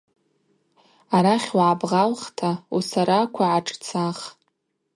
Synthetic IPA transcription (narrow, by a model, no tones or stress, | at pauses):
aɾaχʲwʕabʁalχtʰausaɾakʷʰaʕaʈ͡ʂʼt͡sʰaχ